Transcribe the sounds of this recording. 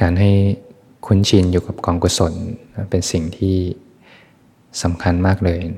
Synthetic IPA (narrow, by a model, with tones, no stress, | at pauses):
kaː˧nɦa˥˩j | kʰu˦˥˨nt͡ɕʰi˧njuː˨˩ka˨˩p̚kɔː˧ŋku˧˩so˩˦n˧˩pe˧nsi˨˩ŋt̪ʰiː˥˩ | sa˩˦mkʰa˧nmaː˥˩k̚lɤː˧j